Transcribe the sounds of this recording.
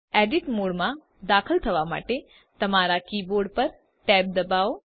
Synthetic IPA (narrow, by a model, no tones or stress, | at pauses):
ɛɖiʈmoɽmã | d̪akʰəlt̪ʰəʋama̰ʈe | t̪əmaɾakiboɾɖpəɾ | ʈɛb̚d̪əbao